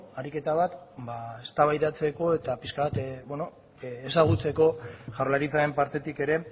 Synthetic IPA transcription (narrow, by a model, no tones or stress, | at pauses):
aɾike̞t̪aβ̞at̪bae̞st̪aβajðat͡se̞ko̞e̞t̪apiskaβat̪bono̞ː | saɣ̞ut͡se̞ko̞ʝaɾlaɾit͡sae̞mpaɾt̪e̞t̪ike̞ɾe̞